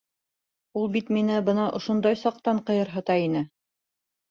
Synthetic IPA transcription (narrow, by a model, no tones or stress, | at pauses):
ulˠbit̪minɘbɤnɑʔŏʃŏnd̪ɑjsɑq̚t̪ɑɴqɤ̆jɤɾɦɤ̆t̪ɑinɘ